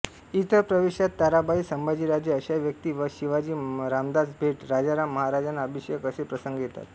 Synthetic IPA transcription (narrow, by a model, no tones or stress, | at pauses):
it̪əɾpɾəʋeɕjat̪ːaɾabaiːsəmbʱad͡ʑiːɾad͡ʑjəəɕaʋjək̚t̪iːʋəɕiʋad͡ʑiːɾamd̪asbʱeʈɾad͡ʑaɾamːəɦaɾad͡ʑanaəbʱiɕəjəkəsepɾəsəŋɡjet̪a̰t̪